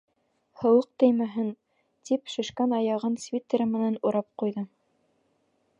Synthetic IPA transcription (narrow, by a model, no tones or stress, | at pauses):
hɤ̆wɤq̚t̪ɘ̆jmæɦɘn | t̪ipʃɘ̆ʃkænɑjɑʁɤnsvʲit̪ʲːeɾɘmɘ̆nænuɾɑp̚qujðɤ